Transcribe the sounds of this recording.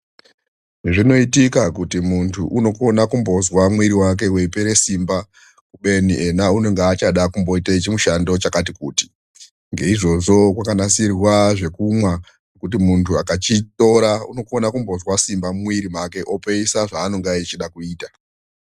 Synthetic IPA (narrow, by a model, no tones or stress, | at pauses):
ʐino̞itikakutimuntʰuʔuno̞ko̞nakumbo̞zwamwiɾiwak̬e̞we̞peɾe̞simba | kuɓe̞niʔe̞naune̞ŋɡaːt͡ʃaɗakumbo̞itait͡ʃimuʃando̞t͡ʃakat̬ikuːti̥ | ŋɡe̞iʐo̞ʐo̞kwakanasirwaʐe̞kumwa | nokut̬imuntʰuakat͡ʃito̞ɾaṵno̞ko̞nakumbo̞zwasimbamumwiɾimake̞ʔopeisaʐaːno̞ŋɡaet͡ʃiɗakuiːta